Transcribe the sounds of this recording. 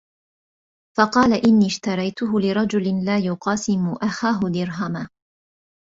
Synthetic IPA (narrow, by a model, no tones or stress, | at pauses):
fɑqɑːlaʔɪnːiːʃt̪ɑɾˤɑjt̪ʊɦʊlɪɾˤɑd͡ʒʊlɪnlaːjʊqɑːsɪmʊʔaxaːɦʊd̪ɪɾˤɦama